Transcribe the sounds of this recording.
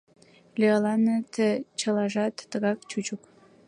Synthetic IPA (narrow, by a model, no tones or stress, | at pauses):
lʲeɑlɑnət̪ʰət͡ɕəlɑʒɑt̪ːəɣɑk̚t͡ɕut͡ɕuk